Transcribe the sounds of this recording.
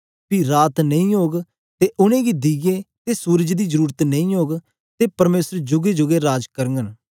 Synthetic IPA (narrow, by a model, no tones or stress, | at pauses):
piɾaːt̪nɐ̃ĩɦoːɡ | t̪eːʔʊñẽːɡid̪iɡet̪eːsuːɾd͡ʒd̪iːzəɾuːɾət̪nɐ̃ĩɦoːɡ | t̪eːpɐɾmeːsəɾd͡ʒʊɡed͡ʒʊɡeɾaːd͡ʒkəɾŋɡən